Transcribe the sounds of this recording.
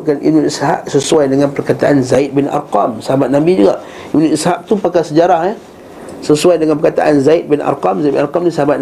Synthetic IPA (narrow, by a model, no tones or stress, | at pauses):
kanʔḭbnunisɦa̰p̚səsuajdəŋanpərkat̪aʔanzaɪt̪̚bina̰rqamsəɦabat̪̚nabid͡ʒuɡa̰ʔ | ibnunishap̚t̪upakasəd͡ʒaɾahɛ | səsuajdəŋanpərkat̪a̰ʔanzait̪̚bɪna̰rqamzajt̪̚bɪ̰narqamnisəɦabat̪̚n